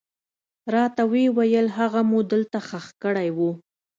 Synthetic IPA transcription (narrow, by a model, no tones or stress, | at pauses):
ɾɑt̪awewajəlɦaɣamud̪əlt̪axaxkəɽajwu